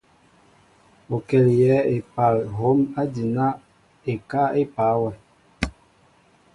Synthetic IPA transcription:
o˨kɛ˨ljɛ˨˦e˨pa˨lɦo˨˦ma˦di˨na˦ | e˨ka˦e˦pa˨˦wa˨

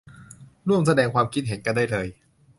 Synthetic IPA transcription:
ɾu˥˩əmsa˧dɛː˧ŋkʰwaː˧mkʰi˦˥t̪̚ɦe˩˦nka˧ndaː˥˩jlɤː˧j

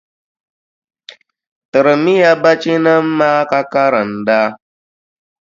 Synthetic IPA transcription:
tɨ˨ɾmi˦ja˦ba˦t͡ʃi˦na˦mː˦aː˦ka˦ka˦ɾa˨n˨da˦

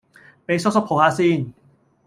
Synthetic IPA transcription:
pa˧jso˧˥so˧˥pʰoː˨˩˦ʔaː˧siː˧˩˨n

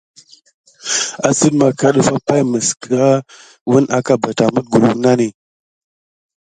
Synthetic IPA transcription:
a˨sə˦dma˨ka˦ɗə˦fa˦pa˦jmə˨skə˨ɾa˦ | wə˦nʔa˦ka˦ba˨ta˨mə˦ɡu˨lu˨ŋna˦ni˨

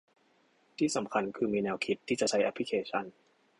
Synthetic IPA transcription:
t̪ʰiː˥˩sa˩˦mkʰa˧nkʰɯː˧miː˧nɛː˧wkʰi˧˩t̪ʰːiː˥˩t͡ɕa˨˩t͡ɕʰa˦˥jʔa˧pʰli˦˥kʰeː˧t͡ɕʰa˦˥˩n

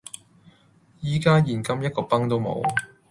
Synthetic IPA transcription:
jiː˨˩kaː˥jiː˨˩nkɐ˥mjɐ˥t̚kɔː˧pɐ˥ŋt̪o˥wmo̰˨˧w

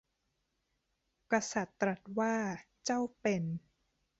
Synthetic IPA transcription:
ka˧sa˨˩t̪ːɾa˨˩t̪̚waː˥˩ | t͡ɕa˥˩wpe˧n

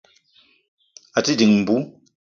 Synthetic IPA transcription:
a˨ti˦di˨ŋm̩˨bu˨˦

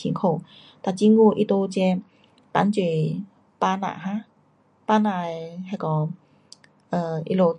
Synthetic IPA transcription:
ḭ˧˦ŋkʰo˧˨ | t̪a˧˨t͡ɕi˧˦ŋɡu˧˨ʔi˧t̪o˧t͡ɕɛ˧ | t̪a̰˨˦nt͡ɕwe˨˧˩ | pa˧nã̰˧˨ɦã˧˦ | pa˧na˧˨jha˧˦˨kɔ˨˧˦ | ʔə˧˩ʔḭ˧lo˧

